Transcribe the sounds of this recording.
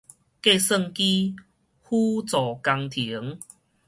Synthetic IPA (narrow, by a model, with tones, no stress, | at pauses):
ke˥˧sə˥˧˨ŋki˦ | hu˦t͡sɔ˨˩ka˧ŋt̪ʰi˨˦ə˦ŋ